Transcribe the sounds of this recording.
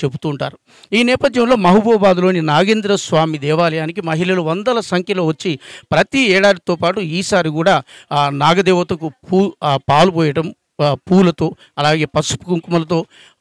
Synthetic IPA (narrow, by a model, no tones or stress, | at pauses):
t͡ʃe̞but̪uːɳʈa̰ːɾu | iːnɛːpɐd̪ʱjɐmlo̞ːmɐɦubɔːbaːd̪uloːninaːɡeːnd̪ɾɐsʋaːmid̪ɛːʋaːlɐjaːnik̬imɐɦilɐluʋɐnd̪ɐlɐsɐŋkʰjɐlo̞ːʋɐt͡ʃːipɾɐt̪iɛːɽaːd̪it̪oːpaːʈuiːsaːɾikuːɽaːnaːɡɐd̪ɛːʋɐt̪ɐk̬upuːpaːlupɔːjɐʈɐm | puːlɐt̪o̞ː | ɐlaːɡe̞ːpɐsu̥pukuŋkumɐlɐt̪̬o̞ː